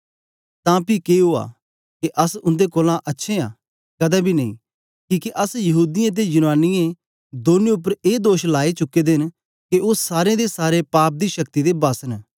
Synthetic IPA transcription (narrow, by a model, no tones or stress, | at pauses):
t̪ãːpikeɦoa̰ː | keʔɐsʊ̃nd̪ekoːlãʔɐtːʃʰẽa̰ː | kɐd̪abʱinɐḭ̃ː | kiːkeʔɐsjɐɦuːd̪ɪjãt̪̬ed͡ʒʊnaːnɪjẽ | d̪oːnẽʊp̬ːəɾeːd̪oːʃlaːit͡ʃʊkːed̪ɪn | keoːsaːɾẽd̪esaːɾepaːp̚d̪iʃɐkt̪id̪ebaːsən